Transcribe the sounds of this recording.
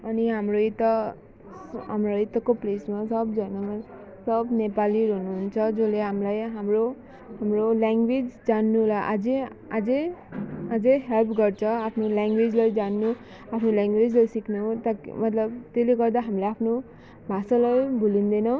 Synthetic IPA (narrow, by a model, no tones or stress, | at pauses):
ʌniɦamroit̪ʌ | ɦamroit̪ʌkoplesmasʌbd͡zʌnʌma | sʌbnepaliɾʌnuɦunt͡sʰʌd͡zoleɦamlajɦamro | ɦamrolaŋɡwed͡zd͡zanːulaʔad͡ze | ad͡ze | ad͡zeɦelpʰɡʌrt͡sʰʌapʰnoljaŋɡwed͡zlajd͡zanːu | apʰnolaŋɡwed͡zlajsikʰnut̪ʌmʌt̪lʌbt̪eleɡʌrd̪aɦamlajapʰno | bʱasʌlajbʱulind̪enʌ